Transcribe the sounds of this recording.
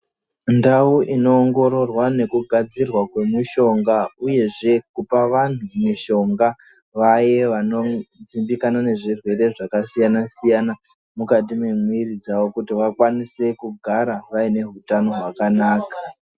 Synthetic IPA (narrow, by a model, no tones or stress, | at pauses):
ndauʔino̞ːŋɡo̞ɾo̞rwane̞kuɡʱad͡zirwakwe̞muʃo̞ŋɡauje̞ʐe̞kupaʋan̤umiʃo̞ŋɡa | ʋaje̞ʋano̞d͡zimbikanane̞ʐirwe̞ɾe̞ʐakasijanasijana | mukatime̞miirid͡zaʋo̞kutiʋakwanise̞kuɡʱaɾaʋaine̞ɦutano̞ɦwakanaːka